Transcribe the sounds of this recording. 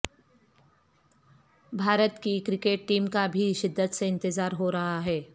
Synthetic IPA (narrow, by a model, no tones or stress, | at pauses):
bʱaːɾət̪kikɾɪkeːʈ̚ʈiːmkabʱiʃɪd̪ːət̪seɪ̃nt̪ɪzaːɾɦoɾɐɦaɦɛː